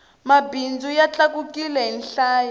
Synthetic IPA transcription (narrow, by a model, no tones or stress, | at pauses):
mabind͡zujat͡ɬakukilɛɦinɬaːja